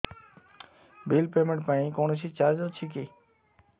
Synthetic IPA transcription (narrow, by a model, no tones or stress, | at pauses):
bilpemẽɳʈ̚pãĩkoñeʃ̬it͡ɕaɾd͡ʑot͡ɕʰik̬e